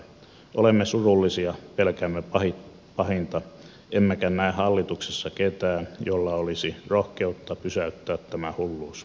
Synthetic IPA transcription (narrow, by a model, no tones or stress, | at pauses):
ʔolemːesurulːisiɑpelkæmːepɑhi | pɑhint̪ɑ | ʔemːekænæihɑlːit̪uksesːɑket̪æːnjolːɑolisirohkeut̪ːɑpysæyt̪ːæːt̪tæmæhulːuːs